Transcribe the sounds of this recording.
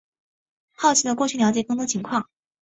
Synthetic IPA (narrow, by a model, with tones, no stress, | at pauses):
xɑ˥˩ʊt͡ɕʰi˧˥lə˧kwɔ˥˧t͡ɕʰy˥˩ljɑ˧˥t͡ɕjɛ˨˥kɤ˥ŋt̪wɔ˥t͡ɕʰi˧˥ŋkʰwɑ˥˩ŋ